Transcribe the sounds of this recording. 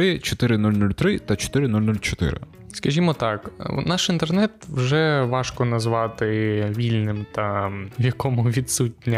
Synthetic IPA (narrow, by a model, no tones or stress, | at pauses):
ɪt͡ʃɔt̪ɪɾɪnulʲnulʲt̪ɾɪt̪ɐt͡ʃɔ̥t̪ɪɾɪnulʲnulʲt͡ʃɔt̪ɪ̰ɾɪ̰ | skɐʒʲimɔt̪ɑknɑʃint̪ernɛt̪wʒɛʋɑʃkɔnɐzʋɑt̪ɪʋʲilʲnɪmt̪ɐʋjɐkɔmʊʋʲid̪sutʲnʲɐ